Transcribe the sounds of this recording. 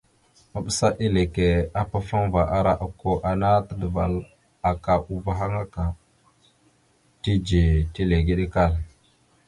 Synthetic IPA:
ma˨ɓə˦sa˦ʔi˦le˨ke˨a˦pa˦fa˦ŋva˨ʔa˦ɾa˦ʔa˨ko˦ʔa˨na˦tə˦də˨va˨l | a˨ka˨ʔu˦va˦ɦa˦ŋa˦ka˨ | ti˦d͡ʒi˨ti˦le˨ɡi˦ɗi˦ka˦˨l

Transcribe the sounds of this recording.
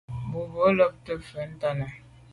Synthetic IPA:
bu˨bo˨˦lɔ˦p̚tə˦˨fə˨˦n̩˦ta˦nə˨

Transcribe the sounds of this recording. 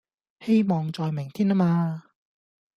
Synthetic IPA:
he˥jmɔː˨ŋt͡sɔː˨jmɪ˨˩ŋt̪ʰiː˥naː˥maː˧

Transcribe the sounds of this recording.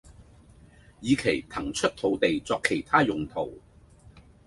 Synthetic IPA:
jiː˨˧kʰe˨˩jt̪ʰɐ˨˩ŋt͡ʃʰɵ˥t̚t̪ʰo˨˥wt̪e˨jt͡sɔː˧kʰːe˨˩jt̪ʰaː˥jʊ˨ŋt̪ʰo˨˩w

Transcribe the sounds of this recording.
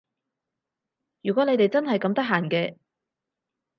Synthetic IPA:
jyː˨kɔ˨˥le˨˧jt̪e˨jt͡sɐ˥nɦɐ˨jkɐ˧mt̪ɐ˥k̚ɦaː˨˩nkɛː˧

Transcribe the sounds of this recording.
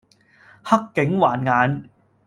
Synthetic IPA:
hɐ˥kːɪ˨˥ŋwaː˨˩nŋaː˨˧n

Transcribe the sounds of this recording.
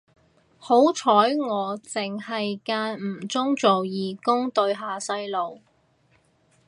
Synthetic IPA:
ho˨˥wt͡ʃʰɔː˨˥jŋɔː˨˧t͡sɪ˨ŋhɐ˨jkaː˧nm̩˨˩t͡sʊ˥ŋt͡so˨wjiː˨˩kʊ˥ŋt̪ɵ˧ɥɦaː˨˩sɐ˧jlo˨w

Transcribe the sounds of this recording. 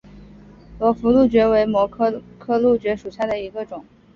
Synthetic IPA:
lwɔ˧˥fu˧˥lu˥˩t͡ɕɥɛ˧˥we˧˥ɪmwɔ˧˥kʰɤ˥kʰɤ˥˧lu˥˩t͡ɕɥɛ˧˥ʂu˨˩ɕja˥˩d̪ə˩i˧˥ɡə˧ʈ͡ʂʊ˨˩˦ŋ

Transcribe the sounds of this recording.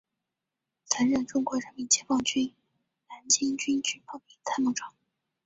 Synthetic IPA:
t͡sʰa˧˥nɻə˥˩nʈ͡ʂʊ˥ŋkwɔ˧˥ɻə˧˥nmi˧˥nt͡ɕjɛ˥nfɑ˥˩ŋt͡ɕy˥n | na˧˥nt͡ɕi˥ŋt͡ɕy˥nt͡ɕy˥˩npɑ˥˩ŋpi˨˩t͡sʰa˥˧ɪmu˥˩ʈ͡ʂɑ˨˩˦ŋ

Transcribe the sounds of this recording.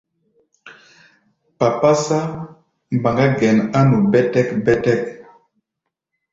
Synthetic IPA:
pa˨pa˦sa˦ | m˨ba˨ŋɡa˦ɡɛ˨na˦nu˨bɛ˦tɛ˦kbɛ˦tɛ˦k̚

